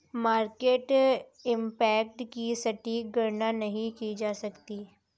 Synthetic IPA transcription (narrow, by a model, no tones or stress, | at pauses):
maːɾkeːʈɪ̃mpɛːkʈkisɐʈiːɡɐɾnanɐɦĩkid͡ʒaːsɐkt̪iː